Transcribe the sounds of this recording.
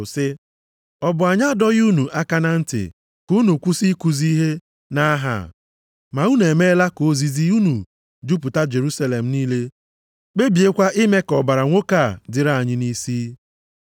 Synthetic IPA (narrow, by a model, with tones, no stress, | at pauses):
sɪ˦ | ɔ˦bʊ˨a˨ɲa˦dɔ˦ɣu˦nu˨ʔa˦ka˦na˦n̩˦tɪ̰˨ | ku˦nu˨kʷu˦si˦ku˨zi˦ɦe˦ | na˦a˦ɦa̰˨ | ma˨u˦ne˨me˦la˦ko˨˦zi˦zi˦u˦nu˨ | d͡ʒu˦pʊ˨ta˦d͡ʒe˨ɾu˦sa˦le˨m̩˨niː˦le˦ | k͡pe˦bi˨e˦kʷa˦ʔɪ˦me˦kɔ˨ba˨ɾa˨ŋʷo˦ka˦˨dɪ˨ɾa˦˨a˨ɲɪ˦ni˦siː˦